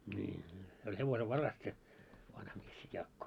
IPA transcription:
nʲiː niː se olʲ heʋoseʋːɑrɑs se ʋɑnhɑ mies se jɑːkːo

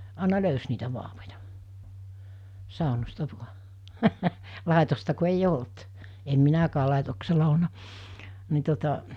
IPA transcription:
ɑˑenɑ løys niːtæ ʋɑːʋojɑ sɑˑonostɑ ʋuɑ lɑˑetostɑ ku eij olt em minækæː lɑˑetokselɑ olnɑ ni tuotɑ

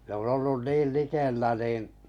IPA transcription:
n on olːun niːl likelːæ niˑn

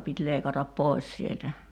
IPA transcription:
pit leikɑtɑp poˑis sieltæ

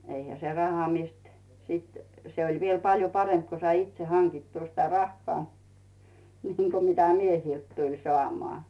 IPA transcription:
eihæ se rɑhɑ mist sit se olʲ ʋiel pɑljo pɑremp ko sɑi itse hɑŋkitːuː sitæ rɑhːŏɑˑ niːŋ ko mitæ miehilt tulʲ soɑˑmoɑˑ

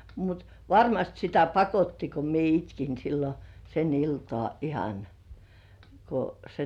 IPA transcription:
mut ʋɑrmɑst sitæ pɑkotːi ko mie itkin silːo sen iltŏɑˑ ihɑn ko se

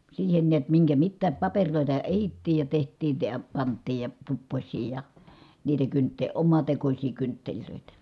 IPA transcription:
siːhen niæt miŋkæ mitːæːp pɑperʲloˑitɑ ehitːiːj jɑ tehtˑiːn̞ ə jɑ pɑntˑiːj jɑ tupːosʲsiː jɑ niːtæ kyntːe omɑtekosʲiː kyntːelʲløˑitæ

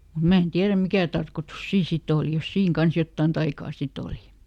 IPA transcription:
mu mæ en tiæræm mikæˑ tɑrkotus siːn sit oˑli jos siːŋ kɑns jotːɑˑn tɑikɑː sit oˑli

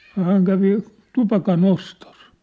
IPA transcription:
no hæːŋ kæʋi tupɑkɑnostos

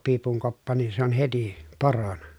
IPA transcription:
piːpuŋ kopːɑ niː se on heti poronɑ

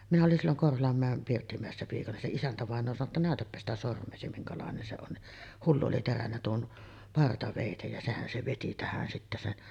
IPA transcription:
minæ olin silːoŋ korholɑmːæˑem pirtːimæˑesːæ piːkɑnɑ se isæntæʋɑˑenˑoː sɑno tːɑ næˑøtæpːæ sitæ sormˑeːsi miŋkɑlɑˑenen se on ni hulːu oli terænːæ tuon pɑrtɑʋeˑitej jɑ sehæn se ʋeti tæhæn sitːæ sen

